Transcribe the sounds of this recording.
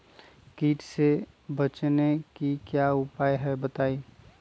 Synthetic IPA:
kiːʈse | bət͡ʃnekikjaʊpaːjɦɛbət̪aːi

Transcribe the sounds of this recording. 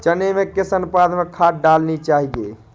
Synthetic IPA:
t͡ʃənemekesənpad̪ʱmekʰaɖalnit͡ʃaɦiɡe

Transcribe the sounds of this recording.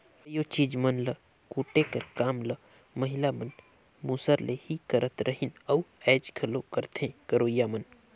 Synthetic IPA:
əjot͡ʃiːd͡ʒmənlə | kuːʈekəɾkaːmlə | məɦɪlamən | mũːsəɾlehikəɾət̪ɾʔəɦinɐuɛːd͡ʒɡʰʱəlokəɾt̪ʰẽkəɾoːijamən

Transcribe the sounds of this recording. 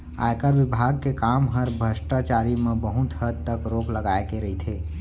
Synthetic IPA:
a̰jkəɾʋibʱaɡ̚kekamɦəɾbʱəsʈat͡ʃaɾimebəɦut̪həd̪̚t̪əkɾokləɡaekeɾəɦit̪ʰe

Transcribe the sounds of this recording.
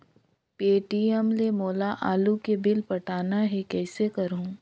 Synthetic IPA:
peːʈiɛmlemoːlaʔaːlukebɪlpɐʈʰaːnaɦɛkɛːsekɐɾũː

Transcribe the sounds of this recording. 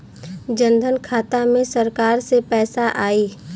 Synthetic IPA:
d͡ʒə̃nd̪ʱənkʰaːt̪amẽsəɾkaːɾsepɛːsaʔaːiː

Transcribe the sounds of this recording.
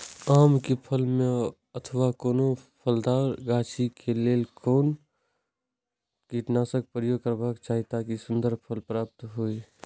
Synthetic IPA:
aːmkipʰəlmẽ | ət̪ʰəʋakoːnopʰəld̪aːɾɡaːt͡ʃikʰeleːlkoːn | kiːʈnaːsək̚pɾəjoːɡ̚kəɾbaːkt͡ʃaːɦit̪akisʊ̃nd̪əɾpʰəlpɾaːp̚t̪ɦui

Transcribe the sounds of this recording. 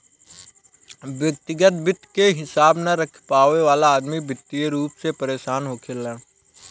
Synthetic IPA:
ʋjək̚t̪ɪɡət̪̚bɪt̪keɦɪsaːbnaɾəkʰpaːʋeʋaːlaːd̪mibɪt̪ːieɾuːpsepəɾeːʃaːnɦokʰeːla

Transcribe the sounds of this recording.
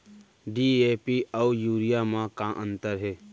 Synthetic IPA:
ɖiːeːpiaujuːɾijamãkãʔə̃nt̪əɾɦeː

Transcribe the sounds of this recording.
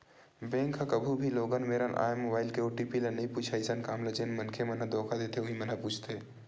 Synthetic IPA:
bẽːŋkɐkɐbʱubʱiloːɡənmeːɾənʔa̰ːjmobaːɪlkeoːʈiːpilɐnɐipuːt͡ʃʰaɪsənkaːmlɐt͡ʃenmɐnkʰemɐnad̪ɔːkʰad̪eːt̪eʊ̃ɦĩmɐnapuːt͡ʃʰt̪e

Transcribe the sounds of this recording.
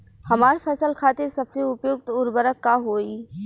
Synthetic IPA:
hɐmaːɾpʰɛsəlkʰaːt̪ɪɾsɐbseʊpjʊɡ̚t̪ʊɾbəɾəkːaɦoːi

